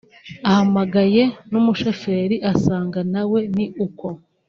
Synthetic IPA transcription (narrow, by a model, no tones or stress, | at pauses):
ahamaɡaje̞numuʃofe̞ːɾiʔasaːŋɡanawe̞niʔuko̞